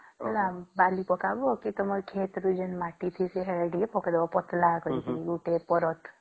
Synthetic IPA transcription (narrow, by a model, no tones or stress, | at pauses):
ɔlambalipɔkabokit̪ɔməɾkʰet̪ɾud͡ʒenmaʈit̪ʰiseɦeɾɖipɔkd̪ɔʋɔpɔt̪lakəit̪iɡuʈepɔɾɔt̪ʰ